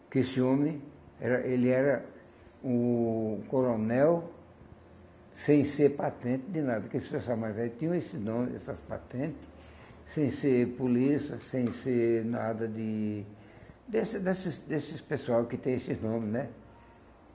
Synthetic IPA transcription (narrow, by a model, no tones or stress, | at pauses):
kɪesɪõmɪ | ɛɾɐʔelɪɛɾɐ | ʊkoɾonɛw | sẽj̃seɾpat̪ẽnt̪ɪd̪ɪnad̪ɐkɪesɪ̥spesuawmaɾvɛlt̪ĩɲɐ̃esɪznõmɪzɛ̰sɐspa̰t̪ẽnt̪ɪ̥s | sẽj̃seɾpulisɐsẽj̃senad̪ɐd̪ɪ | d̪esɪd̪esɪsd̪esɪspesuawkɪt̪ẽj̃esɪnõmɪznɛ